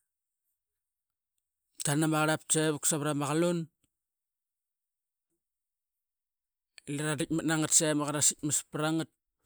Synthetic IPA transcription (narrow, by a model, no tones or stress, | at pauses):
tanamaɾap̚t͡ʃaβuksaβɾamaɣalon | ilaɾadic̚manaŋatsamaɣaɾasit̚maspɾaŋət̚